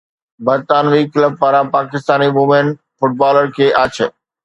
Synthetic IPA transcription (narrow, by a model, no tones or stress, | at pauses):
bɐɾt̪aːnʋiːkləb̚paɾãpaːkɪst̪aːniʋʊmẽn | fʊʈ̚baːləɾkʰeːʔaːt͡ɕʰə